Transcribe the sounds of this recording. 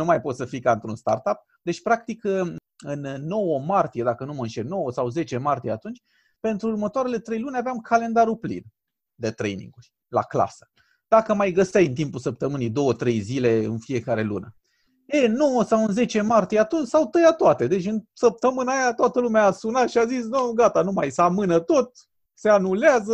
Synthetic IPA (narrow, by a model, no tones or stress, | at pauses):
numajpo̞t̪səfikaɨnt̪ɾunst̪a̰rt̪ap̚ | d̪e̞t͡ʃʲpɾak̚t̪ik | ɨnːo̞wəmart̪ije̞d̪akənuməɨnʃeɾno̞wəsawze̞t͡ʃe̞mart̪ije̞at̪unt͡ʃʲ | pe̞nt̪ɾuːɾmət̪oaɾe̞le̞t̪ɾe̞jlunʲaveamkʰale̞nd̪aɾuplḭn | d̪e̞t̪ɾe̞̰jnḭŋɡuɾʲ | la̰kla̰sə̥ | d̪̥akəmajɡəst̪ajɨnt̪̬impulsəp̚t̪əmɨnijd̪o̞wət̪ɾe̞jzile̞ɨ̰nfije̞kaɾe̞lṵnə | eno̞wəsawɨnze̞t͡ʃe̞mart̪ijeat̪unt͡ʃʲsawt̪əjat̪oat̪e̞d̪e̞t͡ʃʲɨnsəp̚t̪əmɨnaːjat̪oat̪əlumeaːsunat̪ʃiazisnoɡat̪anumajsəamɨnət̪o̞t̪̚ | se̞anuleazə